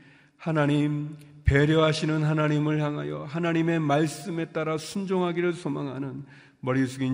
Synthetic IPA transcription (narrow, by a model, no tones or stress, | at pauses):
hanaɲimpeɾjʌɦaɕʰinɯnɦanaɲimɯɭçjaŋɦa̰jʌɦanaɲime̞maɭs͈ɯme̞t͈aɾasʰund͡ʑoŋɦaɡiɾɯɭsʰomaŋɦanɯn | mʌɾisʰuɡi